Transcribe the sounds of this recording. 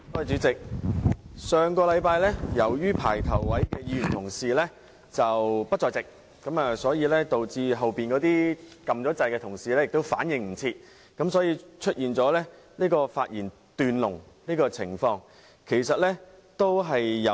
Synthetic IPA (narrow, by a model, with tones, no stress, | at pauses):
tɔː˧jt͡ʃyː˨˥t͡sɪ˨k̚ | sœː˨ŋkɔː˧lɐ˨˧˥jpaː˧jlɛː˥jɐ˨˩wjyː˥pʰaː˨˩jt̪ʰɐ˨˩wwɐ˨˥jkɛː˧jiː˧˥jy˨˩nt̪ʰʊ˨˩ŋsiː˨lɛ˥ | t͡sɐ˨wpɐ˥t̚t͡ʃɔː˧jt͡sɪ˨k̚ | kɐ˨˥maː˨sɔː˨˥jiː˧lɛː˥t̪o˨wt͡siː˧ɦɐ˨wpiː˨nkɔː˨˥t̪iː˥kɐ˨mt͡sɔː˨˥t͡sɐ˧jkɛː˧t̪ʰʊ˨˩ŋsiː˨lɛː˥jɪ˨k̚t̪o˥wfaː˨˥njɪ˨˧ŋm̩˨˩t͡sʰiː˧t̚ | kɐ˨˥msɔː˨˥jiː˧t͡ʃʰɵ˥t̚jiː˨˩nt͡sɔː˨˥lɛː˥ | liː˥kɔː˧faː˧t̚jiː˨˩n | t̪yː˨˧nlʊ˨˩ŋ | liː˥kɔː˧t͡sʰɪ˨˩ŋfɔː˧ŋ | kʰe˨˩jsɐ˨t̚lɛː˥ | t̪o˥wɦɐ˨jːɐ˨˧